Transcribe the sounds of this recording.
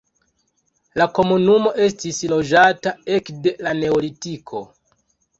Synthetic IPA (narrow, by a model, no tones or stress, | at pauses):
lako̞munumo̞ʔe̞stislo̞d͡ʒatae̞kde̞lane̞olitikʰo̞